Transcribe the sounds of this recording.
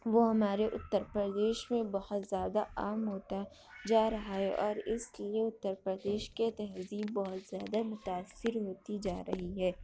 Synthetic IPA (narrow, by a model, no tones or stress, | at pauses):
ʋoɦɐmaːɾeʔʊt̪ːəɾpɾəd̪eːʃmẽbɐɦʊt̪zjaːd̪aaːmɦoːt̪a | d͡ʒaːɾɐɦaɦɛʔɔːɾɪslieʊt̪ːəɾpɾəd̪eːʃket̪ɛɦziːb̚bɔɦʊt̪z̥jaːd̪amʊt̪aːsːɪɾɦoːt̪id͡ʒaːɾɐɦiɦɛː